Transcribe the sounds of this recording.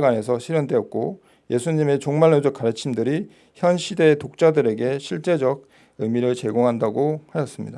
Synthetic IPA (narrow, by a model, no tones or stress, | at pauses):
ɡwane̞sʰʌɕʰiɾjʌndwe̞ʌtk̚k͈o | je̞sʰuɲime̞t͡ɕoŋmaɭːod͡ʑʌk͈̚aɾɯt͡ɕʰimdɯɾi | çjʌnɕʰide̞ːtok̚t͡ɕ͈adɯɾe̞ɡe̞ɕʰiɭt͡ɕ͈e̞d͡ʑʌɡ̚ | ɯmiɾɯɭt͡ɕe̞ɡoŋɦandaɡohajʌs͈ɯmɲḭda